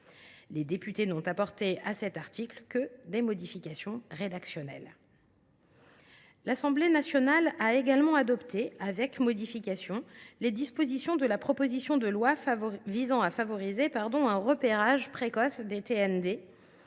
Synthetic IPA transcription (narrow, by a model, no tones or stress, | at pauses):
led̪epyt̪enɔ̃t̪apɔʁt̪easɛt̪aʁt̪iklkəd̪emɔd̪ifikʲasjɔ̃ʁed̪aksjɔnɛ̰l | lasɑ̃blenasjɔnalaeɡalmɑ̃ad̪ɔpt̪ʰeavɛkmɔd̪ifikʲasjɔ̃led̪ispozisjɔ̃d̪əlapχɔpozisjɔ̃d̪əlwavizɑ̃afavɔʁizepaʁd̪ɔ̃ɛ̃ʁəpeʁaʒpχekɔsd̪et̪eɛnd̪e